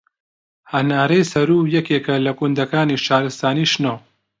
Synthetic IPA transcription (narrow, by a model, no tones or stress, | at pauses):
hɐnaːɾejsɐɾuːjɐkeːkɐlɐkund̪ɐkaːniʃaːɾɨst̪aːniːʃnoː